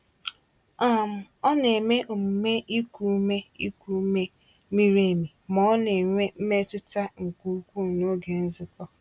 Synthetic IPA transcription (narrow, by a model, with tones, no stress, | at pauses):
a˦˨m̩˨ɔ˦ne˨me˦ʔʊ˨m̩˨me˦ʔi˦ku˨˦me˦ḭ˦kʷu˨˦me˦ | mi˦ɾe˦˨mi˨mɔ˨˦ɔ˦ne˨ŋʷe˦m̩˦me˦tʊ˦ta˦ŋ̩˨ku˨˦kʷu˦˨no˦ɡe˨n̩˦zɪ˨kɔ˦